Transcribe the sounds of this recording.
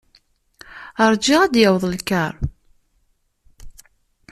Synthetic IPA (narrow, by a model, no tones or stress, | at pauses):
əɾˤd͡ʒiʁæd̪jəwðˤəlkəɾˤ